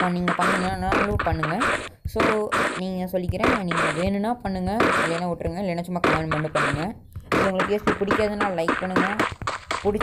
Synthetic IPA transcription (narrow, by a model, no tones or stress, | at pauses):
aniːŋɡɐpɐɳːɯŋɡɐnãnaːlupɐɳːɯŋɡɐsoːniːŋɡɐsɔlːɪkːɪɾẽːniːŋɡɐʋeːnɯnãːpɐɳːɯŋɡɐɪlːɐɪnːɐʋʊʈːɾɯŋɡɐɪlɐɪnɐt͡ʃːɯmɐkːɐʋeːnmɐɳɖɯpɐɳːɯŋɡɐ | soːʊŋɡɐɭpiɛspipʊɽɪkːaːðɐnaːlɐlɐɪk̚pɐɳːɯŋɡɐpʊɽɪt͡ʃː